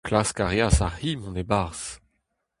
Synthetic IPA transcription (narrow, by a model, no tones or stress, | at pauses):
klaskaʁjasahimɔ̃nebaʁs